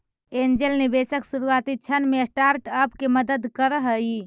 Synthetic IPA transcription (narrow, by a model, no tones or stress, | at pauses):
end͡ʒəlnibesəksuɾuat̪it͡ʃʰənmesʈaɾʈəpkeməd̪əd̪kəɾəɦəi